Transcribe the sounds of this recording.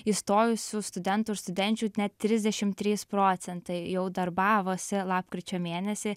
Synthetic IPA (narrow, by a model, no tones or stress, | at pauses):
ist̪oːjʊsʲʊst̪ʊd̪ʲɛnt̪uːɪʃst̪ʊd̪ʲɛnʲt͡ʃʲuːnʲɛt̪̚ʲtʲɾʲɪzʲd̪ʲɛʃʲɪmt̪ʲɾʲiːspɾoːt̪sʲɛnt̪ɐɪjɛʊd̪ɐɾbɑːʋoːsʲɪlˠɑːpkɾʲɪt͡ʃʲoːmʲeːnʲɛsʲɪ